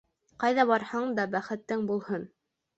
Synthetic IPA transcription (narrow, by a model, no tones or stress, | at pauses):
qɑjðɑβɑɾhɑɴd̪ɑbæχɘ̆t̪ːɘŋbulˠhɤn